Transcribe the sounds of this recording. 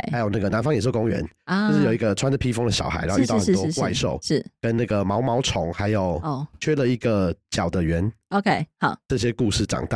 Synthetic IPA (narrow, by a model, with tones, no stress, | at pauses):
a˦˥jo˨˩ʊna˥˩ɡə˩na˧˦nfɑ˥ŋjʂk̬ʊ˥ŋɥɛ̰˧˦n˥ʊʂɻ̩˩˥˩jo˨˩i˧˥ɡə˨ʈ͡ʂʰwa˥nd̪ə˨pʰi˥fo˥ŋd̪ə˨ɕjɑ̰˨˩ʊxa˧˥ɪna˥˧y˥˧t̪xə˩˥˧tɔ˥˧˥wa˥˧ɪ˧ʂo˥˩ʊʂ̩˥˩kə˦˥nna˥˩ɡə˩mɑ˧˥ʊmɑ˧˥ʊʈ͡ʂʰʊ˧˦ŋxa˧˦ɪjo˨˩ʊ˥˩t͡ɕʰɥɛ˥lə˨i˧˥ɡə˨t͡ɕjɑ˨˩ʊd̪ə˦ɥɛ˨˧˥no˧kʰe˥˩ɪhɑ˨˩ʈ͡ʂɤ˥˩ɕ̬jɛ˦˥ku˥˧ʂɻ̩˥˩ʈ͡ʂɑ̰˨˩ŋt̪a˥˧˩